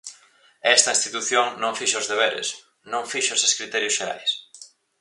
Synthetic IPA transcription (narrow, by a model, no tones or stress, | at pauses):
ɛst̪ɐinst̪it̪uθjoŋnõŋfiʃɐozðeβ̞eɾḛs | nõŋfiʃoseskɾit̪ɛɾjʊsʃeɾa̰js